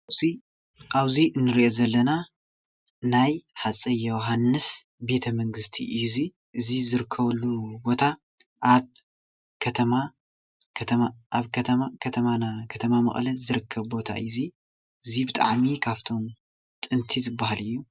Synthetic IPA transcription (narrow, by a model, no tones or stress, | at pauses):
i | ʔaβziʔɨnːɨɾiʔo̞zɐlːɐna | najħat͡sʼɐjowɦanːɨsbe̞t̪ʰɐmɐŋɡɨst̪ʰḭʔɨjːuzi | ʔɨzizɨɾɨkʰːɐβɐlːubo̞t̪ʰa | ʔaβ | kʰɐt̪ʰɐma | kʰɐt̪ʰɐmaʔaβkʰɐt̪ʰɐmakʰɐt̪ʰɐmanakʰɐt̪ʰɐmamɐ̰χʼlɐzɨɾɨkʰːɐβbo̞t̪ʰa̰ʔɨzi | ʔɨzibɨt̪ʼa̰ʕmikʰaβt̪ʰo̞m | t̪ʼɨnt̪ʰizɨbːahalɨjːu